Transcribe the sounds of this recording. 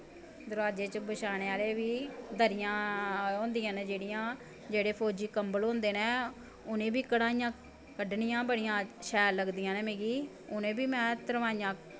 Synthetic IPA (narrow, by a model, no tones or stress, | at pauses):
d̪ʊɾaːd͡ʒeːt͡ʃbəʃaːɽ̃eːaːleːʋiːd̪əɾɪjãːɦõːnd̪ijãːnd͡ʒeːɽɪjãː | d͡ʒeːɽeːpʰoːd͡ʒiːkəmbəlɦõːnd̪eːnẽː | ʊnẽːbiːkəɽaːijãː | kəɖɳɪjãːbəɽɪjãːʃɛːlləɡd̪ijãːnẽːmeːɡiː | ʊnẽːbiːmɛ̃ːt̪əɾʋaːijãː